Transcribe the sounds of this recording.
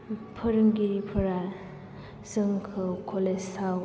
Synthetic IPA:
pʰəɾɯŋɡiɾipʰɐɾa | zɯŋkʰɯwkʰolesa

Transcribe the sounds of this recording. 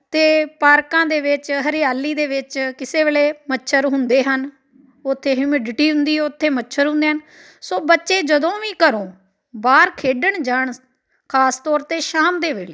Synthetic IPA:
t̪eːpaːɾkãːd̪eːʋɪt͡ʃɦəɾɪjaːlːiːd̪eːʋɪt͡ʃkɪseːʋeːleːmətːʃʰəɾɦʊnd̪eːɦən | ʊt̪ʰːeːɦʊmɪɖʈiːɦʊnd̪iːɛʊt̪ʰːeːmətːʃʰəɾɦʊ̃nd̪eːɦən | soːbətːʃeːd͡ʒəd̪õːʋĩːkəɾõː | baːɾkʰeːɖəɳd͡ʒaːɳ | kʰaːst̪ɔːɾt̪eːʃaːmd̪eːʋḛːleː

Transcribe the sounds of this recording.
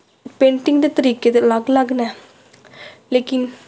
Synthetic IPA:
pẽːɳʈɪŋɡd̪eːt̪əɾiːkeːt̪eləɡləɡnɛː | leːkɪn

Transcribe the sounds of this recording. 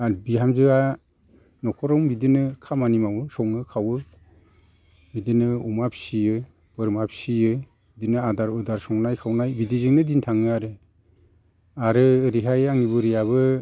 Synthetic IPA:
abiɦamzɯa | nɔkʰɔɾɔŋbidinɯkʰamanimawɯsɔŋɯkʰawɯ | bidinɯumapsijɯ | b̥ɯɾmapʰsijɯ | bidinɯadaɾɯdaɾsɔŋnajkʰawnajbidizɯŋnɯdintʰaŋɯaɾɯ | aɾɯɾiɦajaŋibɯɾijaβɯ

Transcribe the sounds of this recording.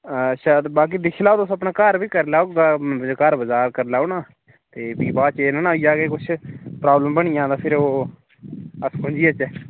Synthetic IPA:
ʃaːd̪baːk̬iːd̪ɪkʰːlaːoːd̪ʊsəpnaːkəɾbiːkəɾlaːɡaːkəɾbəzaːɾkəɾlaːʊnãː | t̪eːbiːbaːt͡ʃeːnanaːijaːkeːkʊt͡ʃʰpɾaːbləmbəɽ̃ijãːt̪aːpʰɪɾoː | əskʰʊ̃nd͡ʒiːət͡ʃɛː

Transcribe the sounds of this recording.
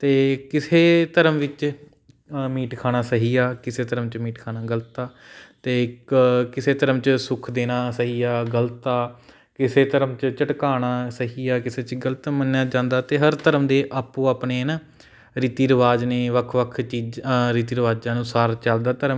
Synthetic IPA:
t̪eːkɪseːt̪əɾəmʋɪt͡ʃ | miːʈkʰaːñaːsəɦiːaːkɪseːt̪əɾəmt͡ʃmiːʈkʰaːnaːɡələt̪aː | t̪eːkkɪseːt̪əɾəmt͡ʃsʊkʰd̪eːnaːsəɦiːaːɡələt̪ːaː | kɪseːt̪əɾəmt͡ʃt͡ʃəʈkaːnaːsəɦiːaːkɪseːt͡ʃɡələt̪mənjaːd͡ʒãːnd̪aːt̪eːɦəɾt̪əɾəmd̪eːʔapːũːaːpneːnaː | ɾiːt̪iːɾəʋaːd͡ʒneːʋəkʰʋəkʰt͡ʃiːd͡ʒɾiːt̪iːɾəʋaːd͡ʒãːnũːsaːɾt͡ʃəld̪aːt̪əɾəm

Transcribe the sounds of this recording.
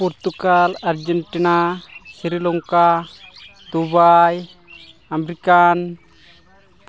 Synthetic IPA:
pɔɾt̪ukalaɾd͡ʒɛɳʈinasiɾilɔŋka | d̪ubaj | amɾikan

